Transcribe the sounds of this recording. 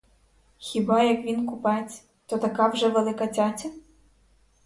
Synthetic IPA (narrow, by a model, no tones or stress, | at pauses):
xʲibɑjɐkʋʲinkupɑjet͡sʲ | t̪ɔt̪ɐkɑwʒɛʋelˠɪkɐt͡sʲat͡sʲɐ